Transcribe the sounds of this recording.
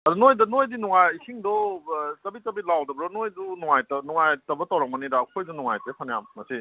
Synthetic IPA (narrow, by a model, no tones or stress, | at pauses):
ɐɾunojdɐnojdinuŋajkʰiŋdɔt͡ʃɐbitɐbilawdɐbɾɔnojdunuŋajtɐnuŋajtɐbɐtawɾak̚mɐniɾaːkʰojzunuŋajtepʰanjamːɐsi